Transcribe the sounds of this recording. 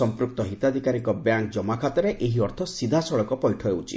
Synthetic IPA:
ɔmpɾuk̚t̪ɔɦit̪ad̪ʱikaɾikɔbjaŋk̚d͡ʒɔmakʰat̪ɔɾeʔeɦiɔɾt̪ʰɔsid̪ʱasɔɭɔkɔpɔjʈʰɔewt͡ʃʰḭ

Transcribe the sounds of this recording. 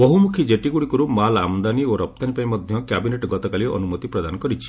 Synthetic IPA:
bɔɦumukʰid͡ʒeʈiɡuɽikɔɾumala̰mɔnd̪anioɾɔp̚t̪anipaĩmɔd̪ʱjɔkjabineʈɡɔt̪ɔkaliʔɔ̰numɔt̪ipɾɔd̪anɔkɔɾit͡ʃʰi̥

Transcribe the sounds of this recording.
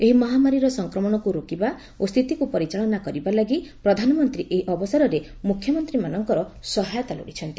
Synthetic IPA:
eɦimɔɦamaɾiɾɔsɔŋkɾɔmɔɽ̃ɔkuɾokiba | ost̪ʰit̪ikupɔɾit͡ʃaɭɔnakɔɾibalaɡipɾɔd̪ʱanɔmɔnt̪ɾiʔeɦiʔɔbɔsaɾɔɾe | mukʰjɔmɔnt̪ɾimanɔŋkɔɾɔsɔɦajɔt̪alo̰ɽit͡ʃʰɔnt̪i

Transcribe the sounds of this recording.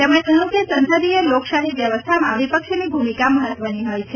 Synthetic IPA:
t̪emɽ̃eʔənukjəsənsəd̪ielokʃaɦiʋjəʋəst̪ʰamãʋipəkʃnibʱumikaməɦət̪ʋəniɦojt͡ʃʰe

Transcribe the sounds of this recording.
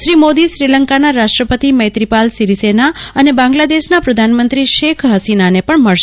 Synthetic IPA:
ʃɾimod̪iʃɾiləŋkanaɾaʃʈɾəpət̪iməjt̪ɾipalsiɾisenaənebãŋɡlad̪eʃnapɾəd̪ʱanmənt̪ɾiʃekʰɦəsinanepəɳməɭʃ

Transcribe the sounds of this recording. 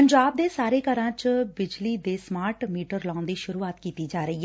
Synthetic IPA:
əɲd͡ʒaːb̚d̪eːsaːɾeːkəɾãːt͡ʃbɪd͡ʒliːd̪eːsmaːɾʈmiːʈəɾlãːnd̪iːʃʊɾuːaːt̪kiːt̪iːd͡ʒaːɾəiːɦ

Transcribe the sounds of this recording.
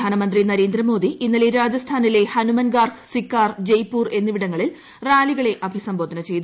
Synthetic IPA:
aːnɐmɐnd̪rinɐɾe̞ːnd̪ɾɐmo̞ːd̪iʔinːɐleɾaːd͡ʑɐst̪ʰaːnile̞hɐnumɐnɡaːrɡsikːaːrd͡ʑejpːuːre̞nːiʋiɽɐŋːɐɭil | raːliɣɐɭe̞ʔɐbʱisɐmbo̞ːd̪ʱɐnɐt͡ɕe̞jt̪u

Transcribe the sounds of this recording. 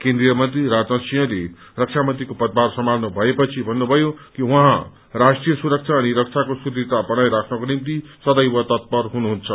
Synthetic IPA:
kend̪ɾijʌmʌnt̪riɾad͡zʌsijʌ̃le | rʌk̚t͡sʰamʌnt̪ɾikopʌt̪̚barsʌmalnʌbʱʌepʌt͡sʰibʱʌnːubʱʌjokiwʌɦã | ɾasʈrijʌsuɾʌk̚t͡sʰaːniɾʌkt͡sʰakosuɾit̪abʌɽ̃ajɾakʰnʌkonimt̪isʌd̪ʌjwʌt̪ʌt̪̚pʌrɦunuɦunt͡sʰʌ

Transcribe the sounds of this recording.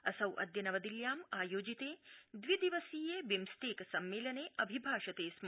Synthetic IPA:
ɐsɐwʔɐ̰d̪jɐnɐʋɐd̪iljaːmaːjoːd͡ʒit̪eːd̪ʋid̪iʋɐsiːjeːbimst̪eːksɐmːeːlɐneːʔɐbʱibʱaːʂɐt̪eːsm

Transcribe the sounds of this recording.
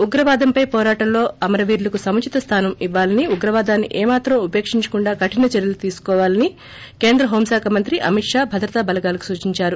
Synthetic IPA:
uɡɾɐʋaːd̪ɐmpɐjpɔːɾaːʈɐmlo̞ːɐmɐɾɐʋiːɾlɐkusɐmɐt͡ʃit̪ɐst̪ʰaːnɐmiʋːaːlɐniuɡɾɐʋaːd̪aːnːḭʔeːmaːt̪ɾɐmupe̞ːkʂiɲt͡ʃɐ̥kuɳɖaːkɐʈinɐt͡ʃɐɾjɐlut̪iːsu̥kɔːʋaːlɐni | ke̞ːnd̪ɾɐɦoːmsaːkʰɐmɐnt̪ɾiʔɐ̰miʈʂaːbʱɐd̪ɾɐt̪abɐlɐɡaːlɐku̥suːt͡ʃiɲt͡ʃaːɾu

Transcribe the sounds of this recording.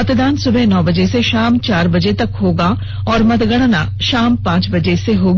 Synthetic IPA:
ət̪d̪aːnsʊbʱeːnɔːbəd͡ʒeseʃaːmt͡ʃaːɾbəd͡ʒeːt̪əkɦoːɡaː | ɔːɾmət̪ɡəɽ̃na̰ːʃaːmpãːt͡ʃbəd͡ʒeseɦoːɡ

